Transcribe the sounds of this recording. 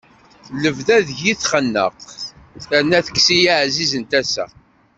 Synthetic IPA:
ləvðæðʝiθχənːə̰q | θænːæθə̥ksijaʕzizənt̪æsæ̰

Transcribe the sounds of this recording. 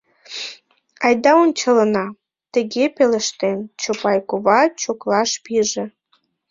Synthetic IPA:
ɑjd̪ɑonʲt͡ɕələnɑ | t̪ə̆ɣepelə̆ʃt̪ent͡ɕopɑjkoβɑt͡ɕoklɑʃpiʒĕ

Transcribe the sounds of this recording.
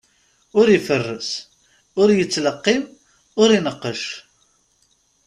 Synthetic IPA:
ʊɾifərːəs | ʊɾjət͡sːləqːim | ʊɾinəqːəʃ

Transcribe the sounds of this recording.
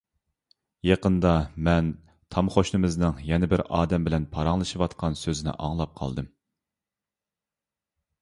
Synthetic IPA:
jɑqənd̪ɑmɛn | t̪ʰɑmχoʃnɨmɨznɨŋjɛnɪbɪɾɑːd̪ɛmbɪlɛnpʰɑɾɑŋlˠɨʃɨwɑt̪qɑnsøzɪnɪ̰ʔɑ̰ŋlˠɑp̚qʰɑ̰lˠd̪ɨm

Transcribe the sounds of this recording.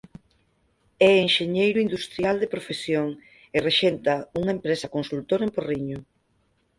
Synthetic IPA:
ɛeŋʃeɲejɾʊind̪ust̪ɾjald̪epɾofesjoŋ | ɪreʃent̪ɐuŋaempɾesɐkonsult̪oɾemporiɲo

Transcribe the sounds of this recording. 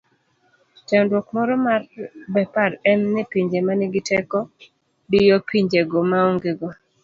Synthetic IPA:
t͡ʃɛndwɔkmɔɾɔmarbɛpaɾɛmnɪpiɲd͡ʒemanɪɡɪtɛkɔ | dɪjɔpiɲd͡ʒeɡɔmaoŋɡeɡɔ

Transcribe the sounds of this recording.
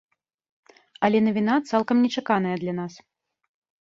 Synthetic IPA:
ɐlʲɛnɐvʲinat̪salˠkɐmnʲɛt͡ʂakanɐjɐd̪lʲan̪as

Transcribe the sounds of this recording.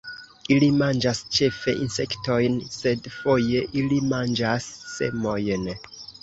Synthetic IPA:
ilimand͡ʒast͡ʃe̞fe̞̰ʔinse̞kto̞jnse̞dfo̞je̞ʔilimand͡ʒasːe̞̰mo̞jn

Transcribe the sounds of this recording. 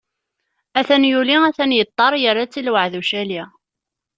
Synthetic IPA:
æθænjuliæθænjət̪ˤːɑɾˤjəɾːat͡sːilwəʕðuʃæli

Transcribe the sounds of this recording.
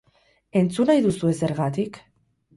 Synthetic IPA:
e̞nt͡sunajðusue̞se̞ɾɣat̪ik

